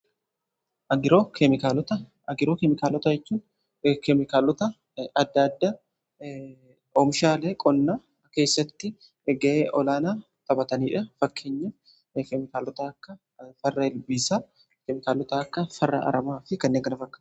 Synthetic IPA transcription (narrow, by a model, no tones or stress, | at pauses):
ʔɐɡɪɾoːkɛmɪkaːlɔt̪ɐ | ɐɡɪɾoːkɛmɪkaːlɔt̪ɐd͡ʒɛt͡ʃːuːn | kɛmɪkaːlːɔt̪ɐ | ɐd̪ːɐd̪ːɐ | ɔmʃaːleːkʼɔnːaː | ke̞ːsːɐt̪ːɪ | ɡɐʔeːʔɔlaːnaː | t̪ɐbɐt̪ɐniːᶑɐfɐkʰːeɲːɐ | kɛmɪkaːlːɔt̪ɐːkːɐ | fɐrːɐhɛlbiːsaː | kɛmɪkaːlːɔt̪ɐɐkːɐfɐrːɐ̰ʔɐ̰ɾɐmaːfɪkɐnːeːŋɡɐnɐfɐkːɐ̥